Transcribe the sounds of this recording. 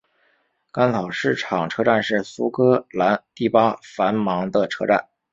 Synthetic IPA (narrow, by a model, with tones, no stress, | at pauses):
ka˥nt͡sʰɑ˨˩ʊʂɻ̩˥˩ʈ͡ʂʰɑ˨˩ŋʈ͡ʂʰɤ˥ʈ͡ʂa˥˧nʂɻ̩˥˩su˥kɤ˥la˧˥nt̪i˥˩pa˥fa˧˥nmɑ˧˥ŋd̪ə˧ʈ͡ʂʰɤ̰˥ʈ͡ʂa̰˥˩n